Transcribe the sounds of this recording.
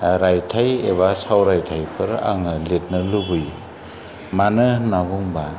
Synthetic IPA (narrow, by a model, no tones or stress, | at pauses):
ɾajtʰajeβasawɾajtʰajpʰɯɾa̰ŋɯlit̚nɯlubɯjḭ | manɯnabuŋba